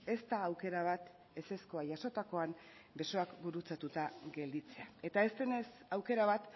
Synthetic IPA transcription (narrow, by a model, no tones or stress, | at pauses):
e̞st̪aːwke̞ɾaβ̞at̪ | e̞se̞sko̞aʝaso̞t̪ako̞am | be̞so̞akbuɾut͡sat̪ut̪aɡe̞ld̪it͡se̞ae̞t̪ae̞st̪ene̞sawke̞ɾaβ̞at̪